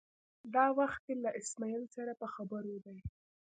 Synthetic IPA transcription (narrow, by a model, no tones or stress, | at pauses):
d̪ɑwaxt̪̚elaʔɪsmɑjəlsaɾapəxabəɾod̪aj